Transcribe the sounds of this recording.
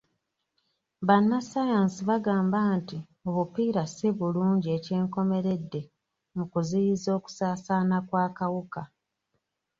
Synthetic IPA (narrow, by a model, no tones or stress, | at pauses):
βanːasajansiβaɡaːmbanti | o̞βupiːɾasiβuluːɲɟie̞ce̞ːŋko̞me̞ɾe̞dːe̞ | mukuzijizo̞ːku̥saːsaːnakwaːkawuka